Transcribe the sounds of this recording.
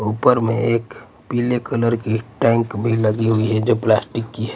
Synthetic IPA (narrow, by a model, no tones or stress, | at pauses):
upəɾmḛeːk | pilekələɾkiʈɛ̃ŋkbʱiləɡiɦuiɦɛd͡ʒoplasʈikːiɦɛ